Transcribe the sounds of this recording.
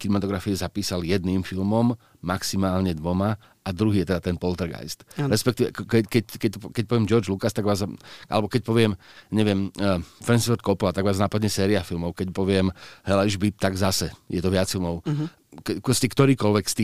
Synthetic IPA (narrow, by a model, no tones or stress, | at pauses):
kinɛmat̪ɔɡɾafiɛzapiːsaljɛd̪̚niːmfilmɔmː | aksimaːlɲɛd̪ʋɔma | ad̪ɾuɦiːjɛt̪ɛd̪at̪ɛnpɔlt̪ɛɾɡa̰jst̪ɾɛspɛk̚t̪iʋɛkɛkɛckɛt̪ɔkɛc̚pɔʋɪɛmd͡ʒɔɾd͡ʒlukast̪aɡʋaːzʔa̰lɛbɔkɛc̚pɔʋɪɛmɲɛʋɪɛmfɾɛnsfɔɾt̪̚kɔplat̪aɡʋaːznapad̪ɲɛsɛːɾiafilmɔʊkɛcpɔʋɪɛmɦɛlaiʒbip̚t̪aɡzasɛjɛt̪ɔʋɪat͡sfilˠmɔʊ | kpɾɔscɛkt̪ɔɾiːkɔlʋɛkst̪iː